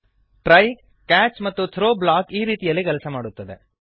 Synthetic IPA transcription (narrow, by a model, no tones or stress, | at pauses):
ʈɾɐj | kaːt͡ʃmɐt̪ːut̪ʰɾoːblaːkiːɾiːt̪ijɐlːikɛlɐsɐmaːɽut̪ːɐd̪e